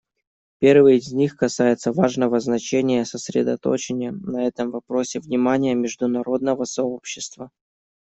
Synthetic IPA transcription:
pʲe̞rvɨjɪzʲnʲixkɐsajɪt̪səvaʐnəvəznɐt͡ɕenʲɪjəsəsɾʲɪ̰d̪ɐ̰t̪o̞̰t͡ɕɪnʲɪjənɐɛt̪əmvɐpɾo̞sʲɪvnʲɪmanʲɪjəmʲɪʐd̪ʊnɐɾo̞d̪̚nəvəsɐopɕːɪst̪və

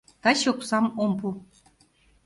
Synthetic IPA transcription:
t̪ɑɕoksɑmompu

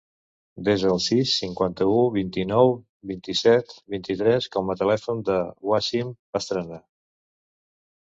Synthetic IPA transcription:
d̪ezðəlˠsisːiŋkwant̪əuβint̪inɔw | βint̪isɛt̪βint̪it̪ɾɛskɔmət̪əlɛfund̪əwaʃimbəst̪ɾəna

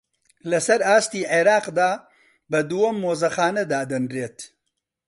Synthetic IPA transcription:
lɐsɐɾaːst̪iːʕeɾaːqd̪aː | bɐd̪uwɐmːoːzɐxaːnɐd̪aːd̪ɐnɾeːt̪

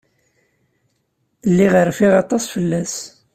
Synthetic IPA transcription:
lːiʁəɾfiʁɑt̪ˤɑsfəlːæs

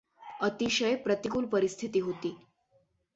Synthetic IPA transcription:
ət̪iɕəjpɾət̪ikuːlpəɾist̪ʰit̪iːɦot̪iː

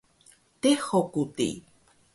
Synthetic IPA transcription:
t̪ehokut̪ḭ

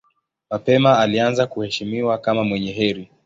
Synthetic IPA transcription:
mapɛmaalianzakuhɛʃimiwakamamwɛɲɛɦɛɾi

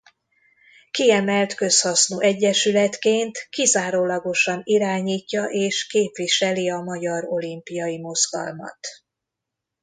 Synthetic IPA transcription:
kiɛmɛlt̪kø̞shɒsnoːʔɛɟːɛʃylɛt̪keːnt̪kizaːɾoːlɒɡo̞ʃɒniɾaːɲiːcːɒʔeːʃkeːpʋiʃɛliɒmɒɟɒɾo̞limpijɒjimo̞zɡ̥ɒ̰lmɒ̰t̪

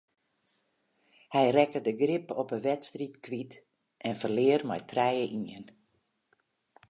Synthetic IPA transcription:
hɛjrɛkədəɡrɪpɔpəʋɛtstritkʋit | ʔɛnfərlɪərmɛ̰jtʰrɛjəʔiən

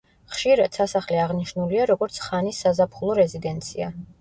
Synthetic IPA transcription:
χʃiɾad̪̥sasaχlɛaʁniʃnuliaɾɔɡɔɾt̪sʰχanisːazapʰχulˠɔɾɛzid̪ɛnt̪sʰia̰

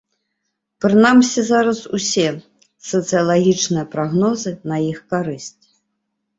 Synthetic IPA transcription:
pɾɨnamsʲizaɾɐsusʲɛ | sɐt̪sɨjɐlˠaɣʲit͡ʂnɨjɐpɾaɣnɔzɨnɐjixkaɾɨsʲt͡sʲ

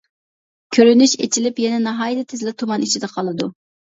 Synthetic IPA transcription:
kʲʰøɾynyʃḛt͡ʃʰilɪpjɛnɛnɑɦɑːjt̪ʰɛt̪ʰɪzlɪt̪ʰumɑnit͡ʃʰid̪ɛqʰɑlˠɨd̪u

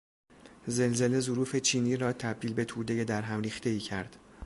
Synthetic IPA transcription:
ze̞lze̞le̞zoɾuːfe̞t͡ʃʰiːniːɾɒːt̪ʰæb̚d̪iːlbe̞t̪ʰuːd̪e̞je̞d̪æɾɦæmriːxt̪e̞iːcʰæɾd̪̥

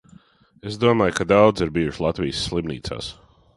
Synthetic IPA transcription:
esd̪uɔmlˠajkad̪awd̪zaɾbiɾslˠat̪viːsːlˠibnḭːt̪sa̰ːs

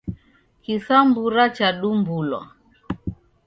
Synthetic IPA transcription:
kisambuɾat͡ʃaɗumbulwa̰

